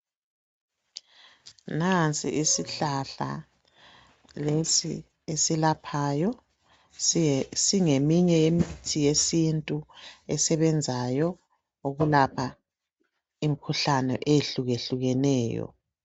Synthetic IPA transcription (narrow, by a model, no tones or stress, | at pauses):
nant͡sʼḭʔisiɬaɬa̰ | lesḭ | esilapʰaːjɔ | siŋemiɲɛjemitʰijesintʼuɛsɛβɛnd͡zʱajɔ | uɣulapʰa | imikʰuɬanɛ̰ʔeeɬuɣeɬuɣɛnɛːjɔ̰